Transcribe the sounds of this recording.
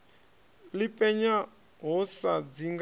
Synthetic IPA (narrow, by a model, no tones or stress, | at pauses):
lipʼɛɲa | ɦɔsad͡ziŋɡ